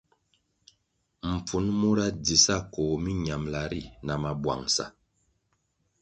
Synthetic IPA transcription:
m̩˨p͡fu˨˦nmu˦ɾa˦di˨sa˦˨kɔː˨mi˦ɲa˨mla˨ɾi˦˨na˨ma˨bwa̰˨ŋsa̰˨

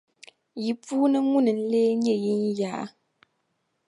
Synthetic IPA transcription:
ji˨puː˦nɨ˦ŋu˦nɨ˨n̩˦leː˦ɲɛ˦˨ji˦n˦ja˨ʔ

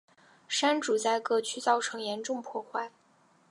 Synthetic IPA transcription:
ʂa˥nʈ͡ʂu˨˩t͡sa˥˧ɪkɤ˥˩t͡ɕʰy˥˧t͡sɑ˥˩ʊʈ͡ʂʰɤ˧˥ŋjɛ˧˥nʈ͡ʂʊ˥˧ŋpʰwɔ˥˧xwa˥˩ɪ

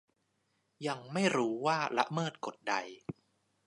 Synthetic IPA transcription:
ja˧ŋma˥˩jɾuː˦˥waː˥˩la̰˦˥ʔmɤː˥˩t̪̚ko˨˩t̪̚da˧j

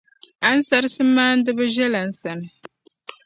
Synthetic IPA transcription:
a˨˦n̩˦sa˦ɾɨ˦sɨ˦maː˦n̩˦dɨ˦ba˦ʒɛ˦la˨n̩˦sa˨nɨ˨

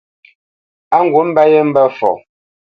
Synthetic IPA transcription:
a˦ŋ̩˨ɡwu˨˦m̩˦ba˦je˦m̩˦bə˦fɔ̰˨

